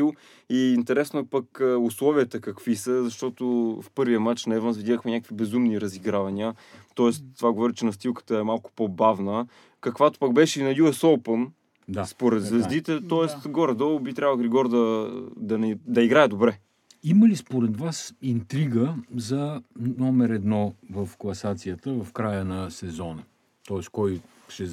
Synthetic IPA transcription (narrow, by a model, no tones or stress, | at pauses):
ilˠ | iːnt̪ɛɾɛsnoɛpəkəʊslˠɔviət̪əkɐkvisəzɐʃt̪ɔt̪ʊfpɤɾvijəmat͡ʃnɛɛvənzvid̪ʲaxmɛnʲakəkvibɛzumniɾɐziɡɾavɐniət̪ɔɛst̪ːovaɡovɔɾit͡ʃɛnɐst̪ilˠkə̥t̪əɛmalˠkʊ̥pobavnə | kɐkvat̪o̥pəɡ̚bɛʃɛinɐjuɛsɔpən | d̪aspoɾɛt̪zvɛzd̪it̪ɛt̪ɔɛst̪ɡɔɾɛd̪ɔlˠbit̪ɾʲabvəɡɾɛɡɔɾd̪ɐd̪ɐnd̪ɐiɡɾaɛd̪obɾɛ | iməlispoɾɛd̪vasint̪ɾiɡəzɐnɔmɛɾɛd̪nɔvɐfklˠɐsat̪sijət̪əvɐfkɾajənɐsɛzɔnə | t̪ɔɛst̪kɔj | ʃɛ